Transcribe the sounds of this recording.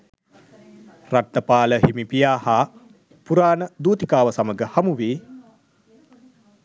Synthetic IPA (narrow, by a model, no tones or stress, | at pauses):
rat̪ːəpaːləɦimipijaːhaː | puɾaːnəd̪uːt̪ikaːʋəsaməɡəhamuʋeː